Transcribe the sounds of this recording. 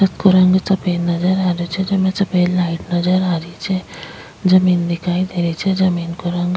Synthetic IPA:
sɐt̪kuɾɐŋɡt͡sɐpenːɐd͡ʒɐɾaɾut͡ʃʰed͡ʒɐmẽt͡sɐpeːllaiʈnɐd͡ʒɐɾaɾit͡ʃʰe | d͡ʒɐmiːnd̪ikʰaːid̪ʱeɾit͡ʃʰed͡ʒɐmiːnkuɾɐŋɡ

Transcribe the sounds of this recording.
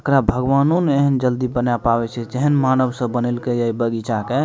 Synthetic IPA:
əkɾabʱəɡʋanoneɦənd͡ʒəld̪ibənapabɛt͡ʃʰɛd͡ʒeɦənmanəbsə̃bənelkeəibəɡit͡ʃake

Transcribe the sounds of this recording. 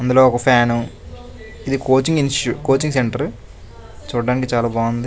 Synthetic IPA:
ɐnd̪uloːɔkɐpʰjaːnu | id̪ikoːt͡ʃiŋɡinsʈukoːt͡ʃiŋseɳʈɐɾ | t͡ʃuːɽɐɖaːnikit͡ʃaːlaːbaːund̪i

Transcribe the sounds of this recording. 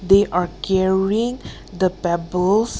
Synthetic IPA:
d̪eʔaɹkʰɛɹiɪ̃ŋ | d̪əpɛbəls

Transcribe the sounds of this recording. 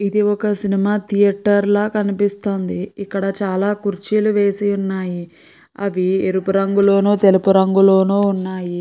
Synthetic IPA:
id̪iɔkɐsinimaːt̪ʰijɐʈːɐɾloːkɐnipist̪o̞ːnd̪iikːɐɽɐt͡ʃaːlaːkuɾt͡ʃiːluʋeːsiunːaːji | ɐʋieɾupuɾɐŋɡulo̞ːnoːt̪e̞lupuɾɐŋɡulo̞ːnoːunːaːji

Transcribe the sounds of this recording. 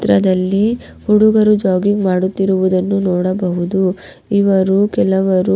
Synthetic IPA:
t̪ɾɐd̪ɐlːi | huɽuɡɐɾud͡ʒaːɡiŋmaːɽut̪ːiɾuʋud̪ɐnːunɔːɽɐbɐɦud̪u | iʋɐɾukɛlɐʋɐɾu

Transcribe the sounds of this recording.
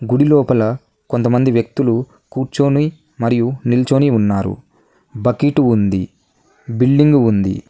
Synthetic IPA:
ɡuɽilɔːpɐlɐ | kont̪ɐmɐnd̪iʋjɐk̚t̪ulu | kuːɾt͡ʃoːni | mɐɾijunilt͡ʃoːniunːaːɾṵ | bɐkiʈuund̪ḭ | biɭɖiŋɡuund̪ḭ

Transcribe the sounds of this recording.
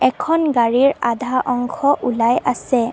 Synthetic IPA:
ɛkʰɔnɡaɹiɹadʱaʔɔŋkʰɔʔulajasɛ

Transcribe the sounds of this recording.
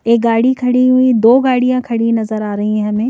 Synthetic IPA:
eːk̚ɡaːɽikʰɐɽiɦuid̪oːɡaːɽijãkʰɐɽinɐzəɾaːɾɐɦĩɦɛ̃mẽː

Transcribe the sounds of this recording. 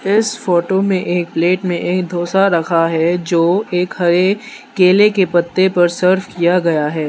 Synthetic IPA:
ɪsfoːʈomẽʔeːk̚pleːʈmẽʔeːkd̪ʱoːsaɾɐkʰaɦɛd͡ʒoːeːkhɐɾe | keːlekepɐt̪ːepɐɾsəɾfkijaɡɐjaɦɛː

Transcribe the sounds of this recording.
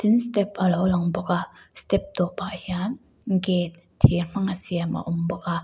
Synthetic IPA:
t̪inst̪ɛpɐlowlɐŋbɔkast̪ɛp̚t̪ɔpːaʔhian | ŋket̪̚ | tʰirm̥aŋasiamʔa̰ʔɔmbɔka

